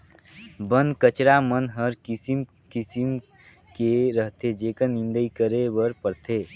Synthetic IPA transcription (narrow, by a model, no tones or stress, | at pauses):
bənd̪kət͡ʃɾamənɦəɾkisim | kisim | keɾəɦt̪ʰed͡ʒeːkənɪnd̪əikəɾebəɾpəɾt̪ʰeː